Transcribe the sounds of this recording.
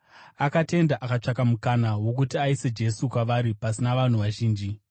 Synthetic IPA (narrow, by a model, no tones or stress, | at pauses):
akate̞ndaʔakat͡ʂakamukanawo̞k̬utiaised͡ʒe̞sukwaʋaɾipasinaʋan̤uʋaʒiːnd͡ʒi